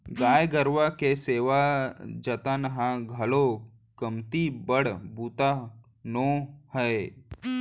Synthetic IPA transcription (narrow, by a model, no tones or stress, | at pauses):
ɡaːjɡəɾʋakeseːʋad͡ʒɐt̪anɐɦãɡʱɐlo | kəmt̪ibəɽbuːt̪a | noːhəe